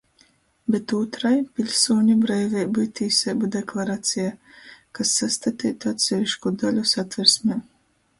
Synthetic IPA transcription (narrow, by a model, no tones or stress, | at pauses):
bet̪uːt̪ɾajpʲilʲsuːɲʲubɾɛjvɛjbɨjt̪iːsʲɛbɨd̪eklˠaɾaːt̪sʲijakasːast̪at̪ʲiːt̪at̪sʲɛvʲiʃkud̪alʲusat̪vʲɛɾsmʲeː